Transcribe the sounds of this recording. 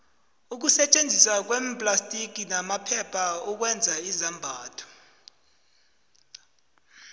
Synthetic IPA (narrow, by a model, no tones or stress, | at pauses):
uk̬usɛt͡ʃʼend͡zʱiswak̬wɛmpʼlastʼik̬ʼinamapʰɛpʰauk̬wɛnd͡zʱaizambʱaːtʰɔ̥